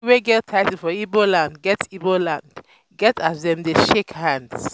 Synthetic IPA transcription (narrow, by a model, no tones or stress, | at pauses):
weɡɛtʰaɪtifɔibolãndɡɛtibolãnd̥ | ɡɛtazðɛ̃mdeʃekhãnds